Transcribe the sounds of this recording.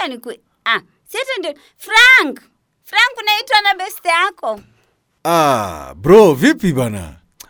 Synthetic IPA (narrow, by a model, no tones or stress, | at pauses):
anikwɛ | a | siɛtɛndɛn | fɾaŋk | fɾaŋkunaitwanabɛstɛakɔ | abɾɔvipibana̰